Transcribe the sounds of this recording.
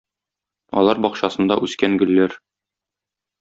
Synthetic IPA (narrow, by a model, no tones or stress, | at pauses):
ɒ̰lˠɑɾbɒqɕɑsɤ̆nd̪ɑ̰ʔʉskæŋɡɵ̆lːæɾ